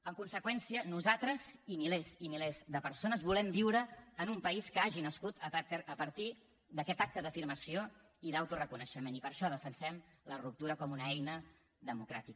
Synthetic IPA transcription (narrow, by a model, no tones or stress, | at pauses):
əŋkunsəkwɛnsiənuzat̪ɾəzimilezimilezdəpəɾsonəzβulɛmbiwɾəːnumpəiskəaʒinəskut̪əp̪əpəɾt̪i | d̪əkɛt̪ak̚t̪əðəfiɾməsio | iðawt̪urəkunəʃəmenipəɾʃɔð̞əfənsɛmlərup̚t̪uɾəkɔmunəɛjnə | ðəmukɾa̰t̪ik̚